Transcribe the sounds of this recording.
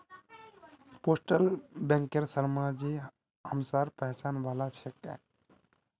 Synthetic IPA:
posʈəlbɛ̃ŋkeɾsəɾmad͡ʒi | ɦəmsaɾpəɦt͡ʃanʋalat͡ʃʰɛkɛ̰̃

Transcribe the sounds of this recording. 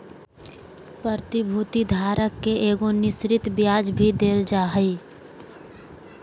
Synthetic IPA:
pɾəɾt̪ɪbʱuːt̪id̪ʱaːɾəkːeʔeːɡonɪʃɾɪt̪bjaːd͡ʒbʱid̪eːld͡ʒaːɦəi

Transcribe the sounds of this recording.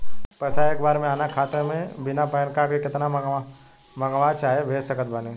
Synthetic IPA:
pɐsaeːkbaːɾmẽaːnakʰaːt̪emẽbɪnapɛːnkaːɾʈkekɪt̪na | mɐɡʋaːt͡ʃaːɦebʱeːsəkət̪̚bɐne

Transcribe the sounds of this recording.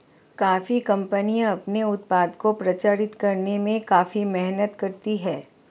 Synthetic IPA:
kaːfikɐ̃mpənijãɐpneʊt̪̚paːd̪kopɾɐt͡ʃaːɾɪt̪kɐɾnemẽkaːfimɛɦnət̪kɐɾt̪iɦɛː

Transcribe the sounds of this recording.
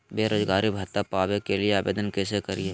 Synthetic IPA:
beːɾoːzɡaːɾibʱɐt̪apaːʋekelieaːbḛːd̪ənkesekɐɾieː

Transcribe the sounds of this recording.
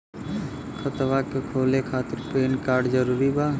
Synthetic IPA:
kʰət̪ʋakekʰoːlekʰaːt̪ɪɾpeːnkaːɾɖd͡ʒəɾuːɾibaː

